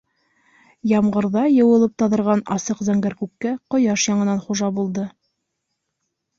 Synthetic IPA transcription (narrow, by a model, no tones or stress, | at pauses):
jɑmɢɤ̆ɾðɑjɤ̆wɤ̆lˠɤp̚t̪ɑðɤ̆ɾʁɑnɑsɤqzæŋɡæɾkʉkːæqŏjɑʃjɑɴɤ̆nɑnχuʒɑbulˠd̪ɤ